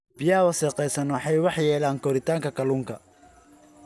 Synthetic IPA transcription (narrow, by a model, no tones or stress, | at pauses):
bɪjɐɐwɑsɛːqɛjsɐnwɑħɑjwɑħjɛːlaːŋkʰɔɾɪt̪ʰaːŋkʰɐkʰɐluːŋkʰɐ